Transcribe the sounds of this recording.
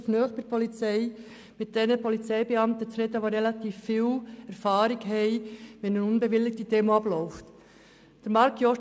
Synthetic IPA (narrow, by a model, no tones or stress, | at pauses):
fnœːχtəɾpʰɔlit͡sɛɪ | mɪt̚d̥ɛnəpɔlit͡sɛɪbeɑmt̪ət͡sɾɛd̪əʋoɾɛlɑt̪iːfːiːwæɾfɑːɾɪɡɦɛɪʋɛnənʊnbeʋɪlːɪk̚tdideːmoɑblɔʊft | d̥əɾmɑɾkʰjɔʃ